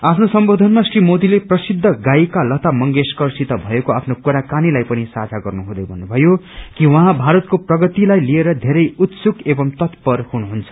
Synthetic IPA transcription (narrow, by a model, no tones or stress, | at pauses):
apʰnosʌmbod̪ʱʌnmasrimod̪ileprʌsid̪ʱːʌɡaikalʌt̪amʌŋɡeskʌrsit̪ʌbʱʌekoapʰnokuɾakanilajpʌnisad͡zʱaɡʌrnuɦũd̪ʌjbʱʌnːubʱʌjo | kiwʌɦãbʱaɾʌt̪̚koprʌɡʌt̪ilajlieɾʌd̪ʱeɾʌjut̪sukebʌmt̪ʌt̪pʌrhunuɦunt͡sʰʌ̥